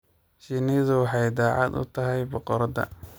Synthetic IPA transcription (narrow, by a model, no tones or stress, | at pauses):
ʃiːniːðʊwɑħɑjd̪aːʕɑd̪ʊ̰t̪ʰɐɦɛjbɔqɔɾɐd̪ɐ̰